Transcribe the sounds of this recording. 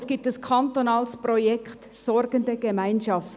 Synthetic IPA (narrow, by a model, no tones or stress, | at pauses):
sɡ̥itəskʰɑntonɑːlsprojɛkt | sɔɾɡ̥əndəɡ̥əmaɪnʃɑft